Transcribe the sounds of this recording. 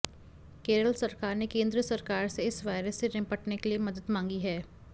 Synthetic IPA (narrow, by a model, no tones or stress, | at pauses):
keːɾəlsɐɾkaːɾnekẽːnd̪ɾəsɐɾkaːɾseɪsʋaːɪɾəsːeɾɪ̃pəʈnekeliemɐd̪əd̪mãːŋɡiɦɛː